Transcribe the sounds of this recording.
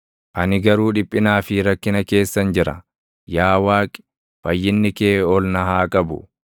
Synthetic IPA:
ʔɐnɪɡɐɾuːᶑɪpʼːɪnaːfɪɾɐkːɪnɐke̞ːsːɐnd͡ʒɪɾɐ̰ | jaːwaːkʼɪ̥ | fɐjːɪnːɪkeːɔlnɐɦaːkʼɐbʊ̰

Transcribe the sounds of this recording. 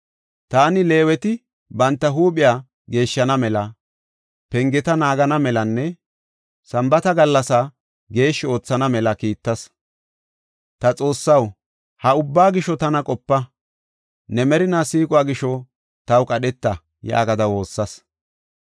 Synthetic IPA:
t̪aːnɪle̞ːwɛt̪ɪ | bɐnt̪ːɐɦuːpʼɪjaː | ɡe̞ːʃːɐnɐmɛlɐ | pɛŋɡɛt̪ɐnaːɡɐnɐmɛlɐnːɛ | sɐmbɐt̪ɐɡɐlːɐsa | ɡe̞ːʃːɪo̞ːt͡sːɐnɐmɛlɐkiːt̪ːɐs | t̪ɐt͡sʼo̞ːsːɐw | hɐʊbːaːɡɪʃɔt̪ɐnɐkʼɔpːɐ | nɛmɛɾɪnaːsiːkʼʊaːɡɪʃɔ | t̪ɐwkʼɐɗɛt̪ːɐ | ja̰ːɡɐd̪ɐwo̞ːsːɐs

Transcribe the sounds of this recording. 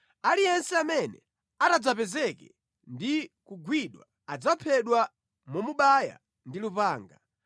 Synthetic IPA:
alijɛnsɛamɛnɛ̰ | atad͡zapɛzɛkɛ | ndikuɡwiɗwa̰ | ad͡zapʰɛɗwa | mɔmuɓaja̰ | ndilupaːŋɡa

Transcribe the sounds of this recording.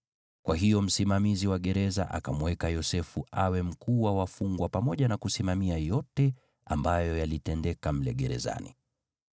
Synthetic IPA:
kwaɦijɔm̩simamiziwaɠɛɾɛza̰ʔa̰kamuwɛkajɔsɛfuawɛm̩kuwawafuŋɡwapamɔʄanakusimamiajɔtɛ | ambajɔjalitɛndɛkam̩lɛɠɛɾɛ̰za̰nḭ

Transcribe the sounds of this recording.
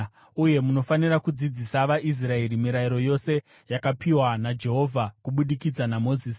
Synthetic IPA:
uje̞muno̞faniɾakud͡zid͡zisaʋaʔis̬rae̞rimiɾaiɾo̞jo̞se̞ | jakapiwanad͡ʒe̞ɦo̞vʱakuɓuɗikid͡zanamo̞ziːs

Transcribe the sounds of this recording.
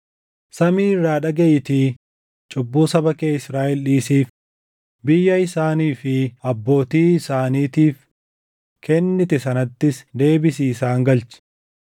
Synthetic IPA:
sɐmiːrːaːᶑɐɡɛjɪt̪i | t͡ʃʼʊbːuːsɐbɐkeːɪsɾaːʔɛlᶑiːsiːf | bɪjːɐɪsaːniːfɪɐbːo̞ːt̪iːɪsaːniːt̪iːf | kʰɛnːɪt̪ɛsɐnɐt̪ːɪsd̪e̞ːbɪsiːsaːŋɡɐlt͡ʃɪ̥

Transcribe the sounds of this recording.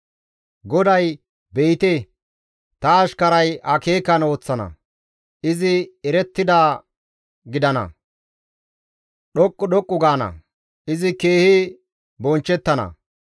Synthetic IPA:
ɡɔd̪ɐj | bejt̪e | t̪ɐːʃkɐɾɐjɐke̞ːkɐno̞ːt͡sːɐnɐ̰ | ʔɪzɪɛɾɛt̪ːɪd̪aː | ɡɪd̪ɐnɐ̰ | ɗɔkʼːʊɗɔkʼːʊɡaːnɐ̰ | ɪzɪke̞ːhɪ | bɔnt͡ʃːɛt̪ːɐnɐ̰

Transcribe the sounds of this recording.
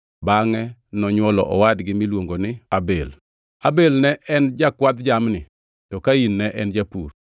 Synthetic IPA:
baŋɛnɔɲwɔlɔ̰ʔɔwadɡɪmilwoŋɡonɪabel | abelnɛʔɛnd͡ʒakwat̪d͡ʒamnɪ | tɔkainːɛʔɛnd͡ʒapur

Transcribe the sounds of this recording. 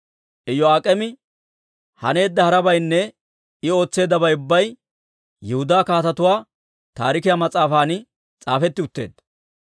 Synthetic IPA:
ʔɛjɔaːkʼɛmɪ | hɐ̰ne̞ːd̪ːɐhɐɾɐbɐjnːɛ | ɪo̞ːt͡sːe̞ːd̪ːɐbɐjʊbːɐj | jɛhʊd̪aːkaːt̪ɐt̪ʊwaː | t̪a̰ːɾɪkɪjamɐt͡sʼaːfaːnɪ | t͡sʼaːfɛt̪ːɪʊt̪ːe̞̰ːd̪ɐ

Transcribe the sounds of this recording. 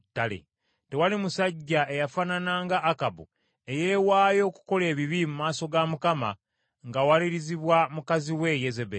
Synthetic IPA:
tːalḛ | te̞walimusaɟːaʔe̞jafananaŋɡaːkabu | e̞jeːwaːjo̞ːku̥ko̞le̞ːβiβimumaːso̞ɡamukama̰ | ŋɡawaliɾiziβwamukaziwe̞jezebe

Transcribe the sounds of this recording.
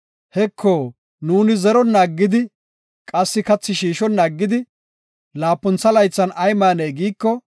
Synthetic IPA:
hɛkʰːoː | nuːnɪzɛɾɔnːaːɡːɪd̪ɪ | kʼɐsːɪkɐt͡sːɪʃiːʃɔnːaːɡːɪd̪ɪ | laːpːʊnt͡sːɐlɐjt͡sːɐnɐjmaːneːɡiːkːɔ

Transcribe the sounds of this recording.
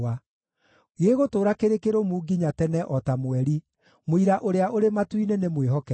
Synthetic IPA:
a | ɣeːɣotoːɾakeɾekeɾomuːɡiɲatɛnɛʔɔtamwɛɾi | moiɾaʔoɾeaʔoɾematwinenemweɦɔkɛ

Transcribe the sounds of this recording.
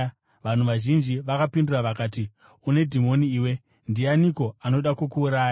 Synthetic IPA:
ʋan̤uʋaʒind͡ʒiʋakapinduraʋakaːti | une̞dʱimo̞niːwe̞ | ndianiko̞ano̞ɗakokuːɾaːja

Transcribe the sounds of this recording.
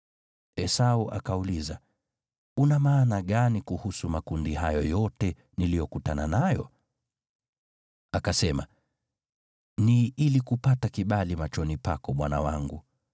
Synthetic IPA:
ɛsauʔa̰kauliza | unamaːnaɠanikuhusumakundihajɔjɔtɛ | nilijɔkutananajɔ̰ | akasɛma | niilikupatakiɓalimat͡ʃɔnipakɔɓwana̰waŋɡu

